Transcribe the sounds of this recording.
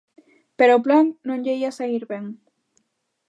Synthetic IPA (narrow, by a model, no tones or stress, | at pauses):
peɾoːplaŋnõŋʎeiasaiɾβeŋ